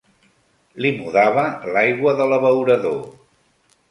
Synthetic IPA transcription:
limuðaβ̞əlajɣwəðələβəwɾəðo

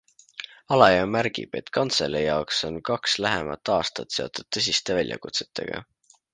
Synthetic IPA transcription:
ɑlɑjɑmærɡ̥ḭb̥e̞t̪kʰɑnt̪sḛlejɑokso̞nkɑkslæɦemɑ̰t̪ːˑɑːst̪ɑt̪se̞ot̪ˑud̪̥̚t̪ɤs̬ʲist̪e̞vælʲjɑ̰kut̪se̞̥t̪ʰːˑe̞̰ɡ̥ɑ̰

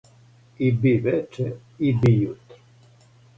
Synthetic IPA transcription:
ibivɛt͡ʃɛ | ibijut̪

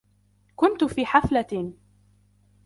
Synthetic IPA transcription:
kʊnt̪ʊfiːħafla

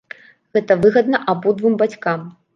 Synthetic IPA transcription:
ɣɛt̪ɐvɨɣɐd̪̚nɐʔabud̪vumbat͡sʲkam

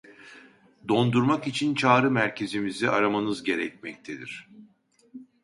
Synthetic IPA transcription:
d̪o̞nd̪uɾmakit͡ʃʰint͡ʃʰaːɾɯmæɾcʰe̞zimiziaɾamanɯzɟe̞ɾɛc̚mɛc̚t̪ʰed̪ḭɾ̝̥

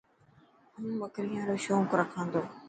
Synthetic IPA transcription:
ənməkɾiːãːɾoːʃõːŋkɾəkʰãːnd̪oː

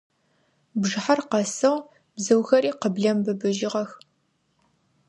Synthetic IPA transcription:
bʐɨħarqɐsɨʁ | bzɨwxɐɾiːqəbɮɐmbɨbɨʒɪʁɐx

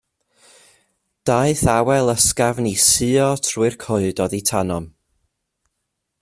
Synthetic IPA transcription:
d̥aɨθawɛlˠəskavnisɨɔtʰruɨrkʰʊɨdɔðitʰanɔm

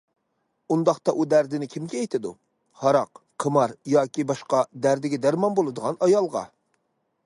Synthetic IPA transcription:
und̪ɑχt̪ɑʔud̪æɾd̪ɪnɪkʲʰimɡʲɛejt̪ʰɪd̪u | hɑɾɑqqʰəmɑɾjɑːkʲibɑʃqɑd̪æɾd̪ɪɡʲɛd̪æɾmɑnbolˠɨd̪əʁɑnɑjɑlˠʁɑ̰

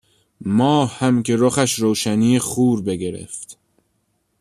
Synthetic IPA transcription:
mɒːhhæmkʰe̞ɾoxæʃɾoːʃæniːjeχuːɾbe̞ɡe̞ɾḛft̪

